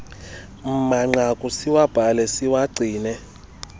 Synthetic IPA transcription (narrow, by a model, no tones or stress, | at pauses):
m̩maŋ͡ǀakʼusiwab̥ʱalɛsiwaɡ͡ǀʱiːnɛ